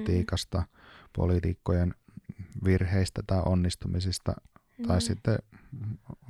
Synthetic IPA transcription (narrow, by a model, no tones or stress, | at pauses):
t̪iːkɑst̪ɑpo̰lit̪ikːojen | ʋirheist̪æt̪ɑiʔonːist̪umisist̪ɑ̰ | t̪ɑissit̪ːe